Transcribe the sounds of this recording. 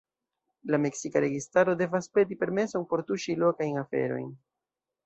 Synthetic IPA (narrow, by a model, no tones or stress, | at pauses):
lame̞ksikaɾe̞ɡistaɾo̞de̞vaspe̞dipe̞ɾme̞so̞npo̞ɾtuʃilo̞kajnafe̞̰ɾo̞̰jn